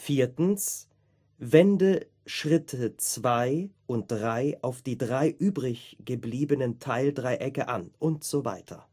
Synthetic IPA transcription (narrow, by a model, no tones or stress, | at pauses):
fiːɐtn̩s | vɛndə | ʃʁ̥ɪtʰət͡sv̥aɪʔʊnt̚d̥ʁaɪaʊfd̥iːdʁaɪʔyːbʁɪçɡ̥əbliːbənəntʰaɪldʁaɪʔɛkəʔa̰nʔʊntz̥ova̰ɪtʰɐ̰